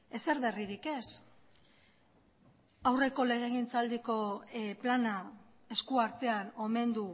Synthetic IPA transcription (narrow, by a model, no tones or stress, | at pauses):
e̞se̞ɾβe̞riɾike̞s | awre̞ko̞le̞ɣ̞eɣ̞int͡sald̪iko̞plana | eskuaɾt̪e̞ano̞me̞nd̪u